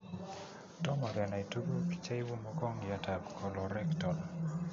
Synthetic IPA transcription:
tɔ˦ma˨ɾɛ˨na˨i˨tu˦ɡu˦pi̥˨t͡ʃa˦ɪ˦wo˦mɔkɔ˦ŋja˨ta˨pkʰɔ˨lɔ˨ɾɛ˦ktɔ˨l

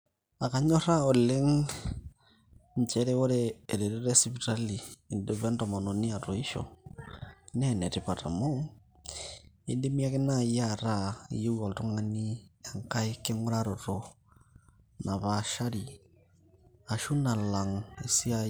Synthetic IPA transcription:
a˨ka˨ɲɔ˦ɾa˦ɔ˨le˦ŋ | ɲt͡ʃɛ˦ɾe˦wo˦ɾeː˦˨ɾe˨ɾi˦ɾe˦si˨pi˨ta˦liː˨nde˨βɛ˦ntɔ˨mɔ˨nɔ˨ni˦a˨to˨i˦ʃɔ̰˨ | nɛ˦˨nɛ˨ti˨pa˨ta˨mo˦ŋ | e˦di˦mi˦a˦kɪ˦na˦˨ja˦˨ɾa˦˨ju˦ɣɔ˨ltu˦ŋa˦ni˦a˨ŋka˦i˦ke˦ŋʊ˦ɾa˦ɾo˨ɾo˨ | na˨βaʃa˦ɾi˨ | a˨ʃu˦na˨la˨ŋi˨si˦a˦

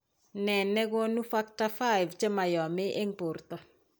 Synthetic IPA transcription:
nɛ˨nɛ˦ɡo˦nu˦fa˦kta˦fa˦ɪ˨vt͡ʃe˦ma˨jɔ˨mɪ˦ʔe˦ŋpo˨rt̪ɔ˨

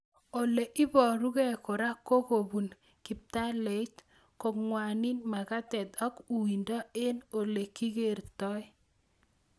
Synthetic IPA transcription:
o˨le˨ʔɪ˦bɔ˨ɾu˦ɡɛ˦ko˨ɾa˦ko˦ko˨bu˨n | ki˨p̚t̪a˦le˨˦t | ko˨kŋwa˨nɪ˦nma˨ka˦t̪ɛ˨d̪ɔ˦ku˨i˨ndɔ˦e˦no˨le˨ki˦ɡe˦˨ɾt̪ɔ˦j

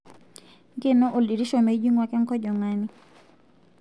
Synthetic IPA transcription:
ŋɡe˦˨nɔ˦ʔo˨ldi˨ɾi˦ʃo˨me˨i˦d͡ʒwi˦ŋwa˦kɛ˦ŋkɔ˦d͡ʒɔ˨ŋa˦ni˦

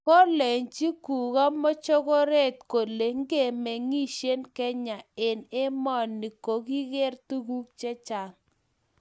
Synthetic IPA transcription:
ko˦le˨ɲt͡ʃi˦ku˨ɣa˦mɔ˦t͡ʃo˦ɡɔ˦ɾe˦˨t̪̚ko˨le˨ŋ˦ɡe˦˨me˨ŋi˦ʃe˦nkɛ˦ɲa˨e˨ne˦mɔ˦˨nːi˨ko˨ki˦ɣe˦rtu˦ɡu˦k̚t͡ʃɛ˦t͡ʃa˨ŋ

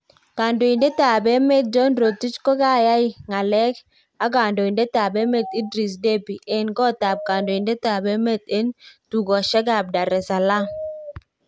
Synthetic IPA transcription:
ka˨ndo˨i˨ndɛ˦ta˨bɛ˦mɛ˦˨t̪̚d͡ʒɔ˦nɾo˨ti˦t͡ʃkɔ˦ka˦ja˦i˦ŋa˨lɛ˦k | a˦ka˨ndo˨i˨ndɛ˦ta˨bɛ˦me˦t̪i˦dɾi˨s̬de˦bi˨ʔɛ˦nɡɔ˦ta˨p̚kaː˨ndo˨i˨ndɛ˦ta˨bɛ˦mɛ˦˨t̪e˦ntu˨ɡɔ˨ʃɛ˦ɡa˨b̚da˨ɾɛ˨sa˨la˦

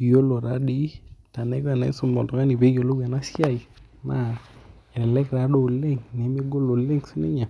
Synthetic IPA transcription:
jo˦lo˨ɾa˦di˦ta˨nɛ˦kɾa˨nɛ̰˨˦so˦mɔ˨ltɔ˨ka˦ni˨be˦jo˨lo˦ɡɛ˨na˦sja˦˨ji˨ | ma˦ | ɛ˨ɾɛ˨lɛ˦kɾa˨˦do˦˨le˦ŋne˨˦me˦ɡo˦lo˨le˦ŋsu˦nḛ˦ɲa˨

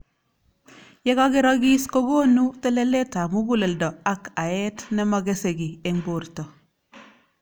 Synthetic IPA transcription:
jɛ˦ɡa˦ɡɪ˦ɾa˦ɡi˦sko˦ɡo˦nu˦tɛ˦le˦le˦ta˨mu˦ɡu˦le˨ldɔ˨a˦ka˨jɛ˦tnɛ˦ma˨ɡe˦se˨ɡi˨e˨ŋbo˨ɾtɔ˨

